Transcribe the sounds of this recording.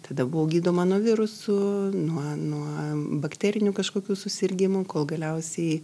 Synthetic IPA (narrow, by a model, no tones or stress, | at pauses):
t̪ɐd̪ɐbʊʋoːɡʲiːd̪oːmɐnuɔʋʲɪɾʊsʊnuɔnuɔbɐkt̪ʲæːɾʲɪnʲukɐʃkoːkʲuːsʊsʲɪrʲɡʲɪmʊkoːlˠɡɐlʲɛʊsʲɛɪ